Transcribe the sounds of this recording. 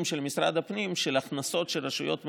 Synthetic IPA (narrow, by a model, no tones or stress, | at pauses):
mʃelmisɾa̰d̪apnimʃelaχnaso̞t̪ʃelʁaʃujo̞̰t̪m